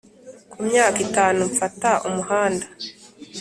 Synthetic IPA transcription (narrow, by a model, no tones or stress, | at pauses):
kumɲaːkitaːnuɱfataʔumuhaːnda